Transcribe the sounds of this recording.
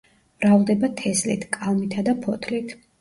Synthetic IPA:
vɾavd̪ɛbat̪ʰɛslḭt̪ʰkʼalˠmit̪ʰad̪apʰɔt̪ʰlit̪ʰ

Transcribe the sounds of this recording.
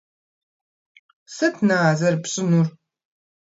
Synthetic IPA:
sɐtʰnaːzɐrpɕʼɪnur

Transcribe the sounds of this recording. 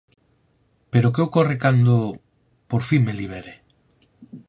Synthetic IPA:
peɾokeokorekand̪o | poɾfiŋmeliβ̞eɾe

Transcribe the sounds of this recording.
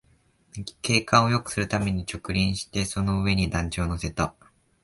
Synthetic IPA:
ke̞ːkãɰ̃o̞jo̞kɯ̟̥sɨɾɯ̟t̪ame̞ɲ̟it͡ɕo̞kɯ̟ɾʲĩɰ̃ɕi̥t̪e̞so̞no̞ɯ̟e̞ɲ̟id̪ãɲt͡ɕoːno̞se̞t̪a

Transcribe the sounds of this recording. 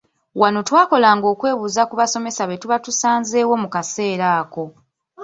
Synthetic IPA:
wano̞twaːko̞laŋɡo̞ːkwe̞ːβuːzakuβaso̞me̞saβe̞tuβatusaːnze̞ːwo̞mukase̞ːɾaːko̞

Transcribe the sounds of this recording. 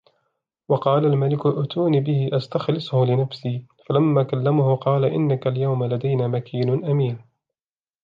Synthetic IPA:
wɑqɑːlalmalɪkʊʔʊt̪ʰuːniːbɪhɪʔast̪axlɪsˤʊhʊlɪnafsiːfalamːaːkalːamahʊqɑːlaʔɪnːakaljawmalad̪ajnaːmakʰiːnʊnʔamiːn

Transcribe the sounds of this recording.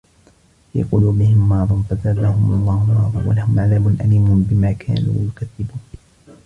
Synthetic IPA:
jɑ̰quːluːbɪhɪmːɑʕðˤɑnfazad̪ahʊmʔɑlˤːɑːhʊlmɑːðˤɑwa̰lahʊmʕaðaːmʊnʔaliːmʊnbɪmaːkʰa̰ːnṵːjʊkaðːɪbuːn

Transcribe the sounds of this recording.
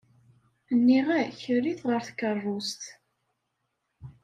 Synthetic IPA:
nːiʁæçərːiθʁəɾθkːərˤːʊst̪

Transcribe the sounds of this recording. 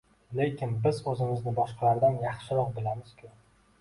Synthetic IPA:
le̞kʲʰɪnbɪzɵzɪmɪznɪbɒʃqʰɑlaɾd̪anjɑχʃɪɾɒq̚bɪlamɪz̥kʰʲʊ

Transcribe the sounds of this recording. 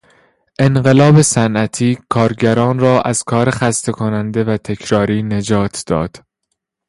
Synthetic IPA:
ʔe̞nɢe̞lɒːbe̞sænʔæt̪ʰiːkʰɒːɾɟæɾɒːnrɒːʔæz̥kʰɒːɾexæst̪ʰe̞kʰonænd̪e̞væt̪ʰe̞cʰɾɒːɾiːne̞d͡ʒɒːt̪ʰd̪̥ɒ̰ːd̪̥

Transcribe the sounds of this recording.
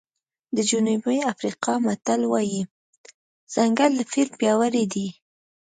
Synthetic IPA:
d̪əd͡ʒunubeafɾiqɑmat̪alwɑji | z̥aŋɡald̪əfɪlmpjɑwaɾed̪i

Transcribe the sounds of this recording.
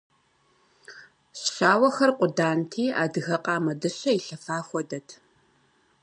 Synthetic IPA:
ɕɕaːwɐxɐrqʷʼʊdaːntʰiːa̰ːdɨɣɐqʼaːmɐdɨɕɐiɬɐfaːxʷɔdɐtʰ

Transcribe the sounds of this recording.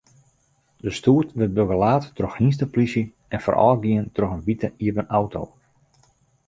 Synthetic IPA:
dəstuːtʋɪt̚bøɡəlaːtːroxhins̬təplisjə | ɛnfɔ̰rʔɔ̰lˠɡiəntrɔxənʋitʰəiəvənawtʰo̰w

